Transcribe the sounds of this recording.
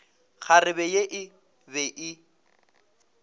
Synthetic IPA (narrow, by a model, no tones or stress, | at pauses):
χʰarɪbɛjeʔɪ | bɛʔɪ